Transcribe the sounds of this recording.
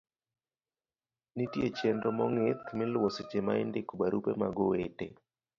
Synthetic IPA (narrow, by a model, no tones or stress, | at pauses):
nitjet͡ʃɛndɔmɔŋɪt̪mɪlwost͡ʃema̰ɪndɪkubaɾupemaɡɔwetḛ